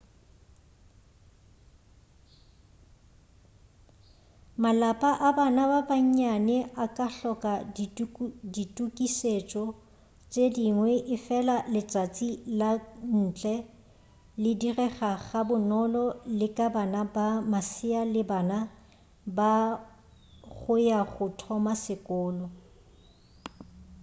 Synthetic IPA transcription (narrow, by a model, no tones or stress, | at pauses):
malapʼaʔabanababaɲ̩ɲanɛʔakʼaɬɔkʼa | ditʼukʼiset͡ʃʼɔ | t͡ʃʼediŋwɛʔɪfɛlalɪt͡sʼat͡sʼilan̩t͡ɬʼɛ | lɪdirɛχaɣabʊnɔlɔlɪkʼabanabamasɪalɪbaːna | ba | ɣʊjaɣʊtʰɔmasɪkʼʊːlɔ